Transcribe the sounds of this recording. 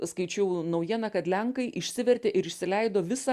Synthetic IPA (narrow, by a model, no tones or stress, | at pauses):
skɐɪt͡ʃʲɛʊnɐʊjiɛnɐkɐt̪lʲɛŋkɐɪʔɪʃʲsʲɪʋʲɛɾʲt̪ʲeːʔɪɾɪʃʲsʲɪlʲɛɪd̪oːʋʲɪsɐ